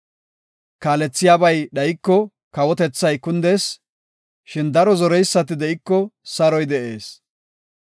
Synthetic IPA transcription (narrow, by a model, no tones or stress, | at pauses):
kaːlɛt͡sːɪjaːbɐjɗɐjɪkːɔ | kɐwɔt̪ɛt͡sːɐjkʊnd̪eːs | ʃɪnd̪ɐɾɔzɔɾɛjsːɐt̪ɪd̪ɛʔɪkːɔsɐɾɔjd̪ɛʔe̞ːs